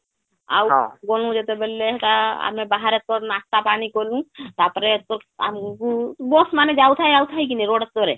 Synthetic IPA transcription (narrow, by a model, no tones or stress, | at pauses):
a̰wɡolũd͡ʒet̪ebelːeɦt̪aa̰mẽbaɦaɾet̪̚pɔɾnast̪apaːnikolũt̪apɾeɔɾa̰mkubosmaːned͡ʒaːut̪ʰaiaːut̪ʰaɦik̬iniɾoːɽət̪̚t̪oɾe